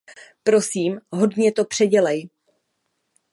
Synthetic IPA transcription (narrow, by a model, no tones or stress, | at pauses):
pɾo̞siːmɦo̞dɲɛt̪o̞pr̝̥ɛɟɛlɛj